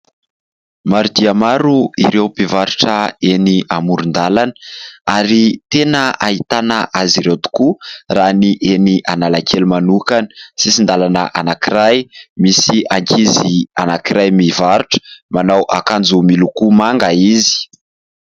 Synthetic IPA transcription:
maɾud̪iamaɾuiɾewpivaɾuʈ͡ʂəeniʔamuɾund̪alanə̥aɾit̪enəait̪anəʔaziɾewt̪u̥kuraniʔeniʔanalakʰelumanukanə̥sisind̪alanəʔanakiɾajmisiaŋkʰizianakiɾajmivaɾuʈ͡ʂə̥manawʔakand͡zumilukumaŋɡaizi̥

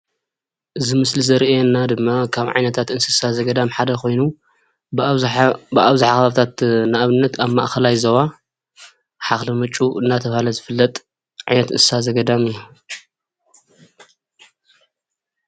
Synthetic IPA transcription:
ʔɨzimɨslizɐɾʔjɛnːad̪ɨmːakʰaβʕa̰jnɐt̪ʰat̪ɨnsɨsazɐɡɐd̪amħad̪ɐkʰo̞jnu | bɨʔaβzaħaxɐβaβt̪ʰat̪naʔaβɨnːɐt̪aβmaʔxɐlajzɐwa | ħaxlɐmɨt͡ʃʼuɨnːat̪ʰɐβhalɐzɨfɨlːɐt̪ʼ | ʕa̰jnɐt̪ɨsazɐɡɐd̪amɨjːu

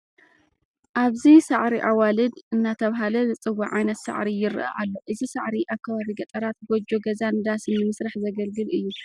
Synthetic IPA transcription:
ʔaβzisaʕɾiʔawalɨd̪ɨnːat̪ʰɐβɦalɐnɨt͡sʼɨwaʕajnɐt̪sɐ̰ʕɾijɪɾʔa̰ʔalːoʔɨzisɐʕɾiʔakːɐβaβiɡɐt̪ʼɐɾat̪̚ɡod͡ʒoɡɐzand̪asɨnɨmɨsɾaħzɐɡɐlɡɨlɨjːu

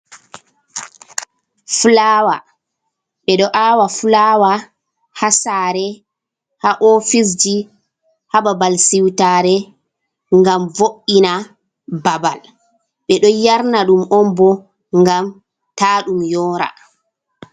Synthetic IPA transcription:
fulaːwa | ɓɛɗɔʔawafulawa | hasaːɾɛ | haʔɔfis̬d͡ʒi | hababalsiwtaːɾɛ | ŋɡamvoʔːina | babal | ɓɛɗɔjaɾnaɗumɔmbɔ | ŋɡam | taːɗumjɔːɾa̰

